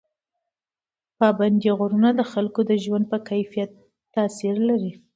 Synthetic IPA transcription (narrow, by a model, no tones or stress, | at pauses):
pɑband̪iɣoɾunad̪əxalkod̪əʒwand̪̚pəkajfijat̪ː | ɑsiɾlaɾi